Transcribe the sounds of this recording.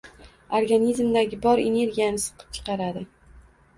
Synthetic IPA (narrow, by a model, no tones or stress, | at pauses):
oɾɡanʲizmd̪aɡʲɪbɒɾḛne̞ɾɡʲijanɪsɨ̥qʰɨ̥p̚t͡ʃʰɨ̥qɑɾad̪ɪ